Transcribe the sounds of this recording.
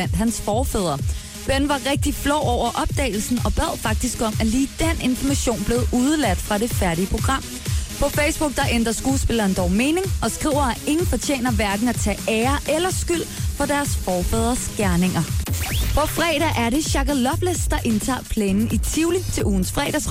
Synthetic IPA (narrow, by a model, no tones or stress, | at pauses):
æn̰d̥ɦænsfɒːfɛð̰ˠɐ | b̥enʋɑ̈ʁeɡ̥̚d̥iflɒʊ̰ɒʊ̰ɐʔɒ̽b̥̚d̥ɛ̰ːɪl̩sn̩ɒ̽b̥ɛð̞̰ˠfɑ̈ɡ̥̚d̥isɡ̥ɒ̽m̰æliːd̥en̰e̝nfɒmæɕo̝̰ːnb̥le̝ð̩ˠuð̞ˠəlæd̥fʁɑ̈ɾe̝fæɐɾiəpʰʁo̝ɡ̥ʁɑ̈m̰ | pʰɒ̽feɪsb̥uɡ̥̚d̥ɑ̈ʔend̥ɐsɡ̥uːsb̥e̝lɐːnd̥ɒʊme̝ːne̝ŋʔɒ̽sɡ̥ʁḭʊ̰ɐæʔe̝ŋn̩fɒ̽t͡ɕʰḛːnɐʋæɐɡ̥n̩æt͡sʰɛ̰ːeːɐʔelɐsɡ̥yl̰fɒ̽d̥æɐsfɒːfɛð̞ˠɐsɡ̥æɐne̝ŋɐpʰɒ̽fʁɛ̰ːɾ̥æʔæɐɾe̝ɕɑ̈ɡ̥ɐlɒb̥lesd̥ɑ̈ʔe̝nt͡sʰɑ̰̈ːpʰleːnn̩it͡sʰiʊlit͡sʰe̝lʔuːn̩sfʁɛ̰ːɾ̥æs